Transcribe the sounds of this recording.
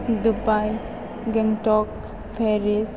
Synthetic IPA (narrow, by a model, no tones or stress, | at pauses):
dubaj | ɡɛŋtɔk̚ | pʰeɾis